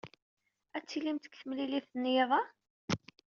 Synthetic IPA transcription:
æt͡sːilimt̪ə̥kθəmlilifθnjeðˤɑ

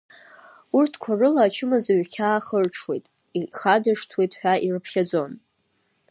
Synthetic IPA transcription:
urtʰkʷʰarɨlaːt͡ʃʰɨmɨzaɥχʲʰaːχərʈ͡ʂʰwe̞jtʼ | iχadɨʂtʰwe̞jtʼħᶣʷairɨpʰχʲad͡zo̞n

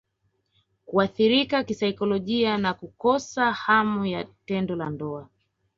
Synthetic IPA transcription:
kuaθiɾikakisaikɔlɔʄianakukɔsahamujatɛndɔlandɔa

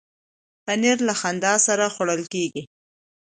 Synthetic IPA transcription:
aneɾlaxand̪ɑsaɾaxwaɽəlkeɡi

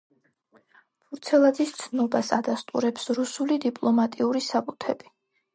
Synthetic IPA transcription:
pʰuɾt̪sʰɛlˠad̪zist̪sʰnɔbasad̪ast̪ʼṵɾɛpsɾusulid̪ipʼlˠɔmat̪ʼiuɾisabut̪ʰɛbi

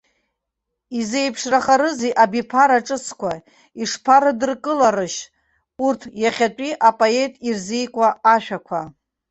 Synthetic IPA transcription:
ize̞jpʰʂraχaɾɨziʔabipʰaɾaʈ͡ʂʼɨsʰkʷʰa | iʂpʰaɾɨdɨrkʼɨlaɾɨʃ | urtʰjaχʲatʼiʔapʼoetʼirzijkʷʼaːʃᶣakʷʰa

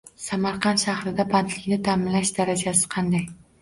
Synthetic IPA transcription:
samaɾqɑnʃahɾɪd̪abant̪ʰlɪkʲnɪt̪ʰamɪnlaʃd̪aɾad͡ʒasɪ̥qʰɑnd̪aj

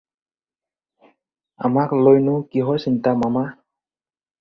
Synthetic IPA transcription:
a̰maklojnʊkiɦɔjsintamama

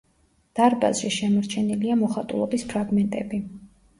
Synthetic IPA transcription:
d̪̥aɾba̰zʃiʃɛmɔɾt͡ʃʰɛniliamɔχat̪ʼṵlˠɔbispʰɾaɡmɛnt̪ʼɛbi

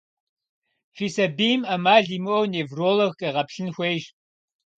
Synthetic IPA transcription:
fiːsɐbiːmɐmaːɮimɨʔowneːvroːlɐxkʼɐʁɐpɬɨnxʷejʒ

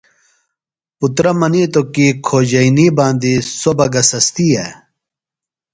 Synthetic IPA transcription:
put̪ɾɐmɐnit̪okikʰoːd͡ʑɐiniːbãːnd̪isobɐɡɐsɐst̪ie

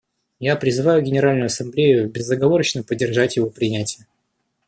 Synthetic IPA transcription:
japɾʲɪzɨvajʊɡʲɪnʲɪɾalʲnʊjʊɐsɐmblʲejʊbʲɪzːəɡɐvo̞ɾət͡ɕnəpədʲːɪrʐatʲjɪvo̞pɾʲɪnʲætʲɪjə

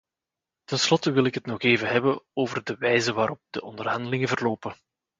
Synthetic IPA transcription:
tənslɔtəʋɪlɪkɦətnɔxeːvəɦɛbəoːvərdəʋɛjzəʋaːɾɔp̚dəʔɔndərɦɑndəlɪŋəvərloːpə

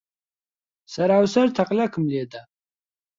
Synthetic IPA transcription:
saɾawsaɾt̪ʰaqʼlʲakʰəmliɛd̪a

